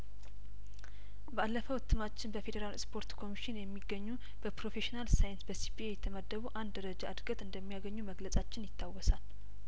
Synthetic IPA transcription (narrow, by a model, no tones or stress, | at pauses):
bəʔalːəfəwt̪ʰːɨmat͡ʃːɪnbəfe̞d̪əɾalspʰo̞ɾt̪kʰo̞miʃɪnjɛmːiɡːəɲːu | b̥əpɾo̞fe̞ʃinalsajɪnsbəsipʰiejɛt̪ʰəməd̪ːəβuʔand̪dəɾəd͡ʒaʔɨd̪ɡət̪ɨnd̪əmːijaɡəɲːuməɡlət͡sʼat͡ʃːɪnjɪt̪ʰːawːɔsal